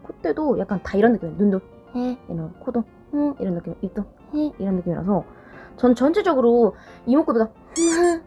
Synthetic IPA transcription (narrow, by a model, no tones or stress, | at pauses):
kʰot͈e̞dojak͈antaiɾʌnːɯkiminundo | inʌkʰodo | iɾʌnːɯk͈imit͈ʌ | iɾʌnːɯk͈imiɾa̰sʰʌ | t͡ɕʌnɯnt͡ɕʌnd͡ʑʰed͡ʑʌɡɯɾoimok͈ɯbiɡa